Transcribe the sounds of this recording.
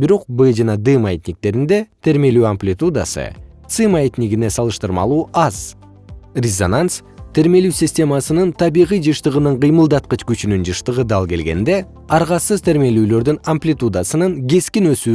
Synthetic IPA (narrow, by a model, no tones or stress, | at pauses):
biɾo̞q̚bɨd͡ʒɑnɑd̪ɨmaet̪ʲnʲik̚t̪e̞ɾind̪e̞t̪ʰe̞ɾme̞lyːamplʲɪt̪ud̪a̰sɯ̰ | t̪sɨmaet̪ʲnʲiɡine̞sɑlˠɯʃt̪ɯɾmɑ̰lˠuːɑz̥ | rʲɪzo̞nans | t̪ʰe̞ɾme̞lyːsʲɪsʲtʲe̞masɯnɯnt̪ʰɑβiʁijd͡ʒɯʃt̪ɯʁɯnɯɴqɯjmɯlˠd̪ɑt̪̚qɯt͡ʃkyt͡ʃynynd͡ʒɯʃt̪ɯʁɯd̪ɑlˠke̞lɡe̞̰nd̪e̞ | ɑɾʁɑsɯzt̪ʰe̞ɾme̞lyːlø̞ɾd̪ynɐmplʲit̪ud̪asɯnɯŋɡe̞skinø̞syː